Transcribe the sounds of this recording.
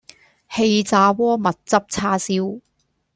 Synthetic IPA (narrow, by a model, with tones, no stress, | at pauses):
he˧jt͡saː˨˧wɔː˥mɐ˨t̚t͡sɐ˥p̚t͡sʰaː˥siː˥w